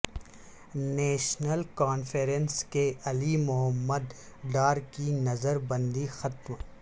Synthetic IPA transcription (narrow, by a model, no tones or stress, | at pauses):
neːʃnəlkaːnfʰeɾənskeɐlimʊɦəmːəd̪ɖaːɾkinɐzəɾbɐ̃nd̪ixɐt̪m